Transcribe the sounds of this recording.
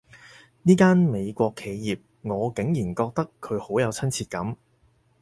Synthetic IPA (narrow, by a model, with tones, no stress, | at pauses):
niː˥kaː˥nme˨˧jkʷɔː˧kʰːe˨˧jjiː˨p̚ | ŋɔː˨˧kɪ˨˥ŋjiː˨˩nkɔː˧k̚t̪ɐ˥kʰːɵ˨˧ɥho˨˥wjɐ˨˧wt͡sʰɐ˥nt͡sʰiː˧t̚kɐ˨˥m